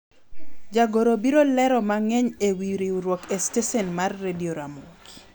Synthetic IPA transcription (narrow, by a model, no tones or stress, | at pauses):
d͡ʒaɡoɾobiɾolɛɾɔmaŋɛɲewiɾiuɾwɔkestesɛnmarːedioɾamuki